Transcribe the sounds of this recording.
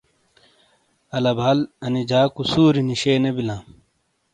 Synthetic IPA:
ɐlɐbʱalɐnid͡ʑaːkusuːɾiniɕeːnebilãː

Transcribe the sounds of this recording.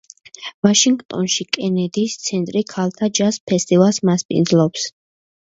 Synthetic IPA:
vaʃiŋɡt̪ʼɔ̰nʃikʼɛnɛd̪ist̪sʰɛnt̪ʼɾikʰalˠt̪ʰad͡ʒaspʰɛst̪ʼivalˠsmaspʼḭnd̪zlˠɔps

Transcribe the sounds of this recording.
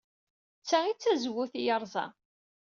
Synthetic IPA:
t͡sːæit͡sːæzwʊθjəɾˤzˤɑ̰

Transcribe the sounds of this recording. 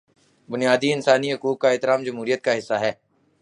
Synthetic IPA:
bʊnijaːd̪iɪnsaːniɦʊkuːk̚kːaɛːt̪ɪɾaːmd͡ʒɐmɦuːɾijət̪̚kaɦɪsːaɦɛː

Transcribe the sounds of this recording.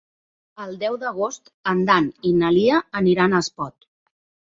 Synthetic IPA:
əlˠd̪ɛwðəɣ̞ost̪ənd̪aninəliəəniɾanəspɔt̪̚

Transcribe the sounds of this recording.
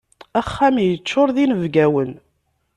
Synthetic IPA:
æχːæmijət͡ʃːʊɾˤðinəvɡæwən

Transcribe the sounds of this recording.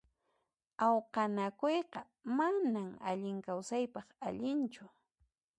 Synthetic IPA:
awqɑnakojqɑ | manama̰ʎɪŋkawsajpɑχaʎɪnt͡ʃʊ

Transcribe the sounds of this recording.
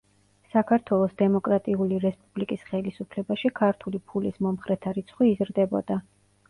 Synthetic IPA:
sakʰaɾt̪ʰwɛlˠɔsd̪ɛmɔkʼɾat̪ʼiuliɾɛspʼublikʼisχɛlisupʰlɛbaʃikʰaɾt̪ʰulipʰulismɔmχɾɛt̪ʰaɾit̪sʰχwiːzɾd̪ɛbɔd̪a

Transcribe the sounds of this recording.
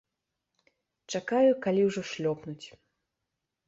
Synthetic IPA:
t͡ʂakajukalʲiwʐɔʂlʲɔpnut͡sʲ

